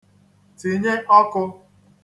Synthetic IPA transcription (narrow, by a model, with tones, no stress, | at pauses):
ti˨ɲe˦ʔɔ˦kʊ˧